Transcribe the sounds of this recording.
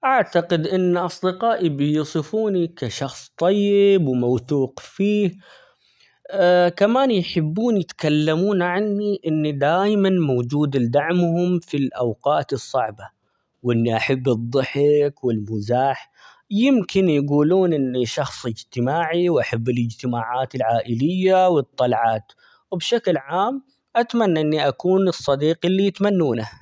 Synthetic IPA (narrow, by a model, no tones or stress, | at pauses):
ʔaʕt̪aqɪd̪ʔɪnːʔɑsˤd̪ɪqɑːʔibɪjʊsˤɨfuːnikaʃɑxsˤt̪ˤɑjːɪbwmawt̪uːqfiːh | kamaːnjħɪbːuːnjɪt̪kalːamuːnʕanːiʔɪnːid̪aːjmanmowd͡ʒuːd̪ɪld̪aʕmhʊmfilʔawqɑːt̪ɨsˤːɑʕba | wʔɪnːiʔaħabːɨd̪ˤːɨħɪkwɪlmʊzaːħ | jɪmkɪnjɡuːluːnʔɪnːiʃɑxsˤɪd͡ʒt̪ɪmaːʕiwʔaħabːɪlɪd͡ʒt̪ɪmaːʕaːt̪ɪlʕaːʔɪlɪjːawɨt̪ˤːɑlʕaːt̪ | wɪbʃaklʕaːm | ʔat̪manːaʔɪnːiʔakuːnɨsˤːɑd̪iːqɪlːijɪt̪manːuːna